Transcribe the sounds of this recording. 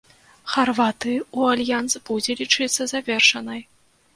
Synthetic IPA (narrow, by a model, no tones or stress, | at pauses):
xarvat̪ɨualʲjansbud͡zʲɛlʲit͡ʂɨt̪sːɐzavʲɛrʂɐnɐj